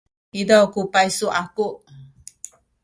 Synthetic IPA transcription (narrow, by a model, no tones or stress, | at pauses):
idakupajsuʔakuʔ